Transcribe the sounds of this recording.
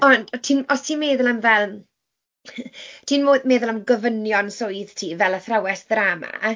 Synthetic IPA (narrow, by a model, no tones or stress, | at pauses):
ɔn̥tʰiːnɔstʰiːnmeːðʊlˠamvɛlˠ | tʰiːnmoːðmeːðʊlamɡɔvənjɔnsoɨðtʰiːvɛlˠəθrawɛsðɾama̰